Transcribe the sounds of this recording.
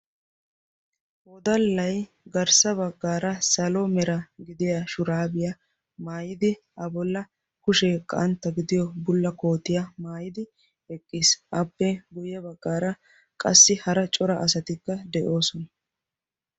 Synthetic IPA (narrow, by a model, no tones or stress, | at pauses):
ɔd̪ɐlːɐj | ɡɐɾsɐβɐɡːaːɾɐsɐlɔmɛɾɐɡɪd̪ɪjaʃʊɾaːbɪjɐ | maːjɪd̪ɪ | ɐbɔlːɐ | kʊʃɛːkʼːɐ̰ʔɐnt̪ːɐɡɪd̪ɪjɔbʊlːɐko̞ːt̪ːɪjɐmaːjɪd̪ɪ | ɛkʼːisʔɐbːɛɡʊjɐbɐɡːaːɾɐ | kʼɐ̰sːɪhɐɾɐt͡ʃʼɔɾɐʔɐs̬ɐt̪ɪkːɐd̪ɛʔo̞ːsɔnɐ